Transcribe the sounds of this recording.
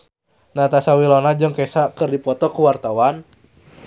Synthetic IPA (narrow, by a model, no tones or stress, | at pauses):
nat̪asawilɔnad͡ʒəŋkɛsakɨrdipɔt̪ɔkuwart̪awan